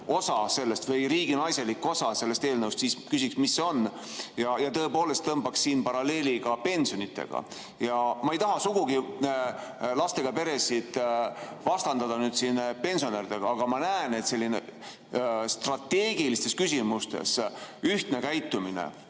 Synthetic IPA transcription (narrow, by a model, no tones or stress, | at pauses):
o̞sɑse̞lːest̪vɤjɾiːɡinɑjse̞likːo̞sɑse̞lːest̪e̞ːlnɤwst̪siːskysiksmisːeo̞n | jɑjɑt̪ɤ̞epo̞ːle̞st̪ɤmbɑksːiːnpɑɾɑle̞ːliɡ̥ɑpe̞nsio̞nit̪ːˑe̞̰ɡ̥ɑ̰ | jɑmɑejt̪ɑɦɑsuɡuɡi | lɑst̪e̞ɡ̥ɑpe̞ɾe̞sid̪vɑst̪ɑnd̪ɑd̪ɑnyːd̪̥sinpe̞nʲsio̞neɾid̪̥e̞ɡ̥ɑɑɡ̥ɑmɑnæene̞t̪se̞lʲːine̞̰ | st̪rɑt̪ːe̞ːɡ̥ilist̪e̞skysʲimust̪e̞̰syht̪ne̞kæjt̪ːˑuminḛ